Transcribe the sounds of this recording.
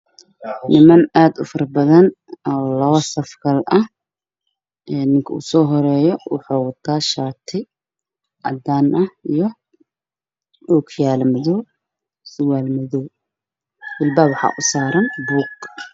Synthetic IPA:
nɪmɐnaːd̪ʊfɐrbɐðɐn | ɔːlɐβɐsɐfɡʰɐlʔɐh | ʔɛːnːɪŋkʰɐṵsɔːɦɔɾɛːjɔwʊħuːwɐt̪ʰaːʃaːt̪ʰɪ | ʔɐ̰d̪aːnʔɐhijɔ | uːkʰjaːlmɐðɔ | sʊwaːlmɐðɔː | wɪlbaːwħɑ̰ːʔʊsaːɾɐnbuːɡ

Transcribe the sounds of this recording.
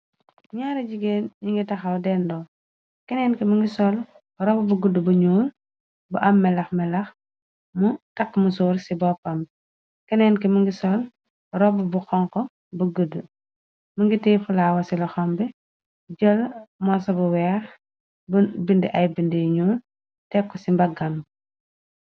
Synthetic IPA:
ɲaːɾɐɟiɡenɲiŋɡitɐxɐwdɛːndɔː | kɛnɛnkɛmuŋɡisɔl | rɔbbuɡədəbuɲuːl | bɐʔɐmːɛlɐxmɛlɐx | mutɐkːmusɔːɾsibɔpɐmb | kɛnɛnkɛmuŋɡisɔl | rɔbɐbuxɔŋkɔ | bɐɡədːə | muŋɡitiːfulaːwɐsilɐxɔmbɛ | d͡ʒɔlmɔsɐbɐwɛɾ | bindiʔɐjbindiɲuːl | tɛkːɔsimbɐɡɐm

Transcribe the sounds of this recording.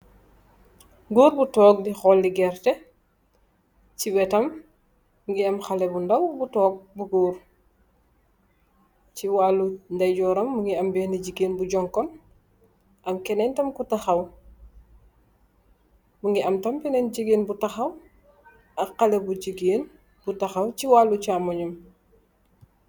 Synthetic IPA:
ɡuːɾbutɔːɡ̚dixɔldiɡɛrtɛ | t͡ʃiwɛtɐm | ŋɡiɐmxalɛbundɐwbutɔːɡ̚buɡuːɾ | ciwaːlundɐjɟɔːɾɐmːuŋɡiɐmbɛːniɟiɡeːnbuɟɔŋkɔn | ʔɐmkɛnɛntɐmkutɐxɐw | muŋɡiɐmtɐmkɛnɛnɟiɡeːnbutɐxɐw | ɐqːɐlɛbuɟiɡeːn | butɐxɐwciwaːlut͡ʃaːmɐɲɐm

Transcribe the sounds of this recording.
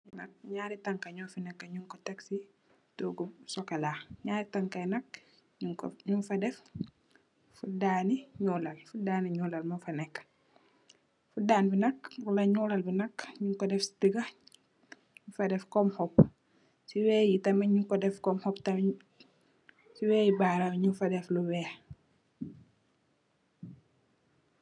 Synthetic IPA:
inɐk̚ɲaːɾitɐŋkɐɲɔːfinɛkːɐɲuŋkɔtɛksi | toɡusɔkalaɲaːɾitɐŋkɐjnɐk̚ | ɲufɐdɛf | fudaːniɲuːlɐlfudaːniɲuːlɐlmufɐnɛkː | fudaːnbinɐkwulɐɲuːlɐlbinɐkɲuŋkɔdɛfstəɡɐ | ɲɲufɐdɛfkɔmhɔpː | siwɛːjitɐmɐɲuŋkɔdɛfkɔmhɔptɐm | siwɛjibaːɾawɲufɐdɛfluwɛː

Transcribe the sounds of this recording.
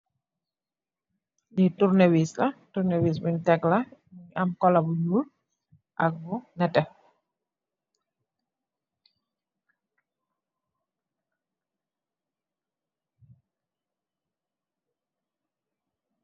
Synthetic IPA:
niturnewislatuɾnewisbintɛklaɲamkɔlabuɲul | ʔak̚bʊnɛtɛ

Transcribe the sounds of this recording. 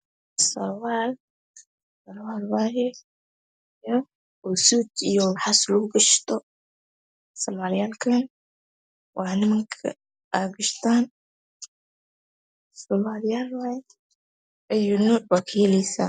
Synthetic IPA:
sɐ̰lwaːl | sɐlwaːlwaːjɛ | jɔ | usuːd̪ijɔħaslʊɡɐʃt̪ʰɔ | sɔmaːlɪjaːlkʰɐn | wɑnɪmɐŋkʰɐ̰ | aɡɐʃt̪ʰaːn | sɔlwaːlɪjaːlwaːjɛ | ʔɐjuːnuːʕbaːkʰɐjɛlɛsa̰

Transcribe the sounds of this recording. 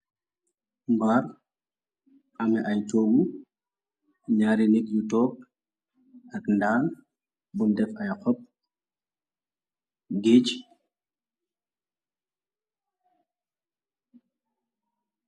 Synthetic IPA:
mbaːr | ɐmɛʔɐjt͡ʃɔːɡu | ɲaːɾinik̚jutɔːk̚ | ʔɐkndaːn | bundɛfɐjxɔp̚ | ɡeːc

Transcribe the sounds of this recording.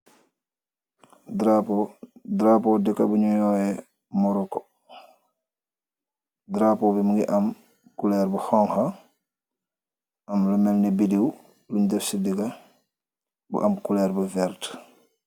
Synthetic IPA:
dɾapɔdɾapɔdɛkːɐbuɲujɔːjɛ | mɔɾɔkɔ | dɾapɔbimuŋɡiʔɐm | kulɛɾbuhɔŋha | ɐmlumɛlnibidiw | luɲdɛfsidikɐ | bṵʔɐmkulɛɾbuvɛɾt

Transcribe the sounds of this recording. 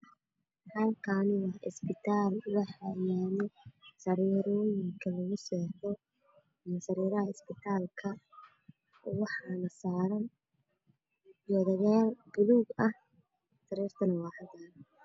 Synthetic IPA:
hɐlkʰɐnɪwɐɪ̰sbɪt̪ʰaːlwɑħamaːnɛsɐɾiːɾɔːjɪŋkʰɐlɐɣʊsɛːtɔ | insɐɾiːɾɐɦɐɪsbɪt̪ʰaːlkʰɐ | wɑħɑnɐsaːɾɐn | d͡ʒɔðɐɣaːlbʊluɡɐh | sɐɾiːrt̪ʰɐnɐwɑːħɐd̪aːn

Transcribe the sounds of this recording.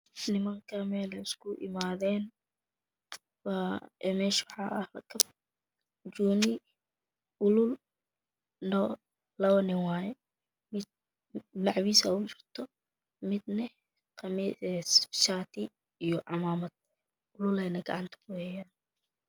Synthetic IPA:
nɪmɐŋkʰɐmɛːlɛɪskʰʊʔɪ̰maːðɛːn | waɛmɛːʃwħɑʔɐhlɐkʰɐb | d͡ʒuːnɪ | ʊlʊl | nɔ | lɐwnɪwaːjɛ | mɪd̪̚ | lɑʕwiːsɐ̰ʊt͡ʃɪrt̪ʰɔ | mɪd̪nɐ | qɑmiɛsʃaːt̪ʰɪ | ijɔʔɑmaːmɐd̪̥̚ | ʊlʊlɛjnɐɡɐ̰ʕɑnt̪ʰɐ̥ʊwɛjaːn

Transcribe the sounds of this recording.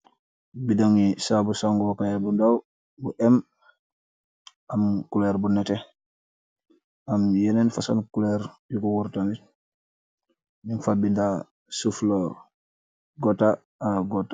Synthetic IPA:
bidaŋisabusaŋɡɔpajabundaw | buʔɛm | amkulɛɾbunɛtɛ | amjɛnɛnfasa̰nkulɛɾjukuwuɾtami | niŋfabinda | suflɔːɾ | ɡɔta | aɡɔta

